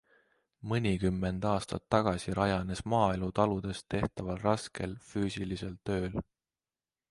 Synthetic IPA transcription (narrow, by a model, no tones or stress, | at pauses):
mɤnʲikymːe̞nd̪̥ɑːst̪ɑ̰t̪ːɑɡ̥ɑsiɾʔɑjɑne̞smɑːe̞lut̪ɑlud̪̥e̞st̪e̞ht̪ɑvɑlrɑske̞lfyːsilise̞lt̪ø̞ːl